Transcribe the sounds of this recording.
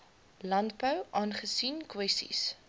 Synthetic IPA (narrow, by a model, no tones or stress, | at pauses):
lɐntbœwʔɑːnχəsinkwɛstḭs